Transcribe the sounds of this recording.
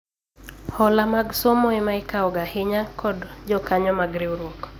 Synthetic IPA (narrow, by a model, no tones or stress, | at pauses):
hɔlamaɡsɔmɔɛmaɪkaɔɡahɪɲakʰɔdd͡ʒɔkaɲɔmaɡɾɪwɾwɔk